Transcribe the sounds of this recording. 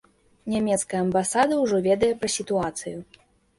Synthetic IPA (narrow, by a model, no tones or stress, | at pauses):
nʲamʲɛt̪skɐjɐɐmbasad̪ɐwʐɔvʲɛd̪ɐjɛpɾɐsʲit̪uat̪sɨju